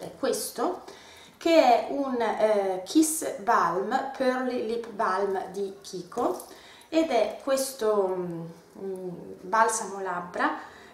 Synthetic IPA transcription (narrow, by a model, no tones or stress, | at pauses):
ɛ̰kːwest̪o | keɛunkʰisbalmpʰerlilipbalmd̪ikʰiːkʰo | ed̪ɛkʰːwest̪o | balsamolabːɾa